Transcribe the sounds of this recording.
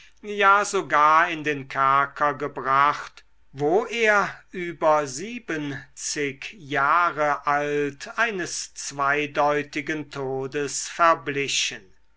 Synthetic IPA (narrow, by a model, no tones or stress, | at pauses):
jaːzoɡaːɐɪndeːnkʰɛɐkʰɐɡəbʁaχt | voːʔeːɐʔyːbɐziːbənt͡sɪkjaːʁəʔaltaɪnəst͡sv̥aɪdɔʏtɪɡəntʰoːdəsfɛɐblɪɕən